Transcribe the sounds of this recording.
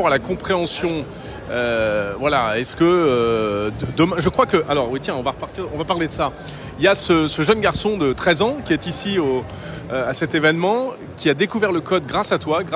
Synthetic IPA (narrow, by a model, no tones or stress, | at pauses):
ɔʁalakɔ̃pχeɑ̃sjɔ̃ | øvwalaɛskəø | d̪əmɛ̃ʒəkχwakəʔalɔʁwit̪jɛ̃ɔ̃vaʁəpaʁt̪iʁɔ̃vapaʁled̪əsa | iljasəsəʒənɡaʁsɔ̃d̪ət̪χɛzɑ̃kʲiɛt̪isio | asɛt̪evɛnmɑ̃ | kʲiad̪ekuvɛʁləkɔd̪̚ɡʁasat̪waɡʁ